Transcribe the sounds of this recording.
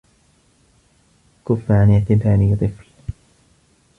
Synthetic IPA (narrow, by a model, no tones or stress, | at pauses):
kʊfːaʕanɪʕt̪ɪbaːniːt̪ˤɨfl